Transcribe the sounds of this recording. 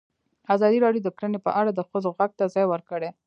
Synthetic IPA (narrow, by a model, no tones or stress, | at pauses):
azɑd̪iɾɑɽjod̪əkɾənepə̰ʔaɽad̪əxəzoɣaɡ̚t̪azɑjwəɾkəɽe